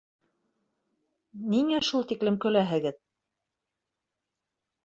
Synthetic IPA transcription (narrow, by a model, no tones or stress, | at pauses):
niŋæʃulˠt̪iklɘmkɵ̆læɦɘ̆ɡɘð